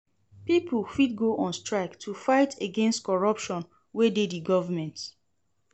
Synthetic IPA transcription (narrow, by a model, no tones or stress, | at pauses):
pipulfid̚ɡoʔɔ̃nstɹaɪktʰufaɪtʰeɡɛ̃nstkɔɹʌpʃɔ̃n | wededðiɡɔvəmɛ̃nt